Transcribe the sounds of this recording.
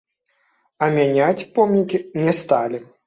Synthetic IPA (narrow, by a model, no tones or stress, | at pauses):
ɐmʲanʲat͡sʲpɔmnʲikʲinʲɛst̪alʲi